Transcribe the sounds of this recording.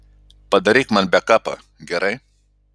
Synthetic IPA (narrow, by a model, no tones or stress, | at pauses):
pɐd̪ɐɾikmɐnbakapɐ̰ | ɡeɾɐj